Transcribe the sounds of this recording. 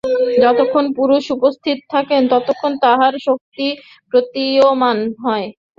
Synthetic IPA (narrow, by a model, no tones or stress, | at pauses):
d͡ʑɔt̪okʰːonpuɾuʃupost̪ʰit̪ot̪ʰakent̪ɔt̪okʰːont̪aɦaɾʃok̚t̪i | pɾot̪iomanɦɔe